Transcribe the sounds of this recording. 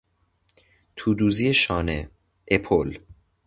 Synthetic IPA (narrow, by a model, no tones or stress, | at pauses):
t̪ʰuːd̪uːzieʃɒːne | ʔepʰol